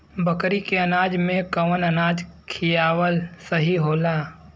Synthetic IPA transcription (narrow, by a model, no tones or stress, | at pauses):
bəkɾikeɐnaːd͡ʒmẽkɐʋənənaːd͡ʒkʰijaːwəlsəɦiɦoːlaː